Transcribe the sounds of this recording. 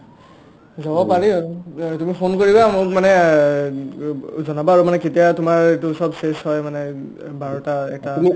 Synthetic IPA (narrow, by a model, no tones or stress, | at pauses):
zabɔpaɹitumipʰonkoɹibamʊmanɛ | zɔnabaːɹumanɛketijatumaɹetusɔbsesɦɔjmanɛ | baɹɔtaɛ̰k̚taumi